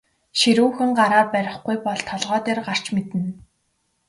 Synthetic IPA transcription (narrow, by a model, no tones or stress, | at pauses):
ʃiɾuːxɘ̆ŋɢaɾaːrpæɾʲɪ̆χɡujpɔɮt̪ʰɔɮʁœːt̪eːrɢar̥t͡ɕmet̪ɘ̆n